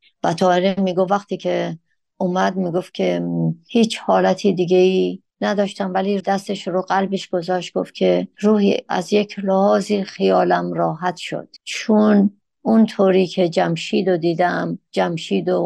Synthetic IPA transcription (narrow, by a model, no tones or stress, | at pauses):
væt̪ʰɒːheɾemiːɡovːæxt̪ʰiːcʰe | ʔomæd̪miːɡoft̪̚kʲʰehiːt͡ʃʰhɒːlæt̪ʰiːd̪iɡeiː | næd̪ɒːʃt̪æmvæliːd̪æst̪e̞ʃɾoɢælbeʃɡ̥o̞zɒːʃt̪̚ɡ̥o̰ft̪cʰeruːhḭːæ̰zjecʰlehɒːziːxijɒːlæmɾɒːɦæt̪ʰʃo̰d̪̥t͡ʃʰun | unt̪ʰoːɾiːkʰed͡ʒæmʃiːd̪od̪iːd̪æmd͡ʒæmʃiːd̪o